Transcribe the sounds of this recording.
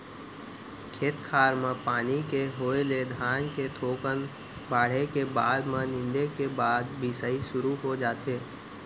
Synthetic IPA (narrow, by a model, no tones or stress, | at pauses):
kʰeːt̪kʰaːɾmãpaːnikeɦoːeled̪ʱaːnket̪ʰoːkən | baːɽ̤ekebaːd̪mãnɪ̃nd̪ekebaːd̪bʱisəiʃʊɾuɦod͡ʒaːt̪eː